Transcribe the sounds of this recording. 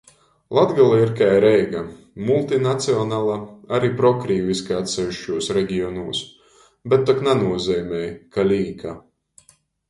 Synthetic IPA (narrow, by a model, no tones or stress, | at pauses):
lˠad̪ɡalˠaiɾkajɾɛjɡa | mulˠt̪inat̪siɔnaːlˠaaɾiːpɾɔkɾiːviskaat̪sɛviʃt͡ʃuɔsɾɛɡʲiɔnuɔːs | bɛt̪ːɔknanuɔzɛjmʲɛjkalʲiːka